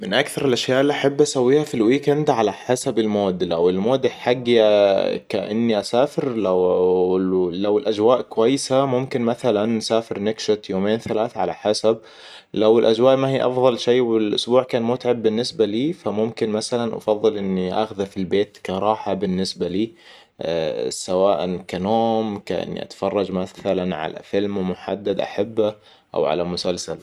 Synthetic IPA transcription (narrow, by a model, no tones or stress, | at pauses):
mɪnʔakθɑɾˤɪlʔaʃjaːʔɪlːiʔaħabːʔasawːiːhafilwiːkɪnd̪ʕalaħasabɪlmoːd̪lawɪlmoːd̪ħaɡːaka̰ʔɪ̰nːiʔasaːfɪɾla | lawɪlʔad͡ʒwaːʔkʊwajːsamʊmkɪnmaθalanːsaːfɪɾnɪɡʃɪt̪joːmeːnθalaːθaʕala̰ħasab̚ | lawɪlʔad͡ʒwaːʔmahiːʔɑfðˤɑlʃejːwɪlʔʊ̰sbuːʕkaːnmuːt̪ʕabːɪnːɪsbaliːfamʊmkɪnmaθalanʔɑ̰fɑðˤːɨlʔɪnːiʔa̰xðafilbeːt̪kaɾˤɑːħabɪnːɪsbaliː | sawaːʔankanoːmkaʔɪ̰nːḭʔa̰t̪ḁfɑrˤːɑd͡ʒmaθalanʕa̰lʔa̰fɪlmmʊħa̰d̪ːad̪ʔa̰ħabːa | ʔa̰wʕa̰lamʊsalsal